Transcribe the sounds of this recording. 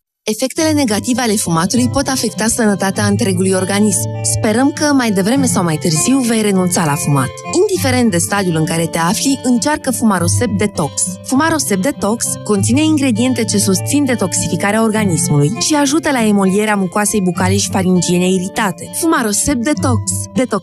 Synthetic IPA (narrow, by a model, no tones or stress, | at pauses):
e̞fe̞kt̪e̞le̞ne̞ɡat̪iveale̞fumat̪ulujpo̞t̪afe̞kt̪asənət̪at̪eaɨnt̪ɾe̞ɡulujo̞rɡanismspe̞ɾəmkəmajd̪e̞vɾe̞me̞sawmajt̪ɨrziwve̞jre̞nunt̪salafuma̰t̪ind̪ife̞ɾe̞nt̪̚d̪e̞st̪ad̪julɨŋkaɾe̞t̪e̞afliʔɨnt͡ʃarkəfumaɾo̞se̞p̚d̪e̞t̪o̞ksfumaɾo̞se̞p̚d̪e̞t̪o̞ksko̞nt̪sine̞iŋɡɾe̞d̪ie̞nt̪e̞t͡ʃe̞sust̪sind̪e̞t̪o̞ksifikaɾeao̞rɡanismulujʃiaʒut̪əlae̞mo̞lie̞ɾeamukoase̞jbukaleʃi̥faɾind͡ʒie̞neiɾit̪at̪e̞fumaɾo̞se̞p̚d̪e̞t̪o̞ksd̪e̞t̪ok